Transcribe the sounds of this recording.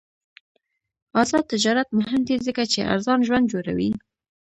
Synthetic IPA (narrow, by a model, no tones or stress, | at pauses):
ɑzɑd̪̚t̪ːɪd͡ʒɑɾat̪mʊɦɪmd̪izəkat͡ʃeʔa̰ɾzɑnʒwand̪̚d͡ʒoɾa̰wi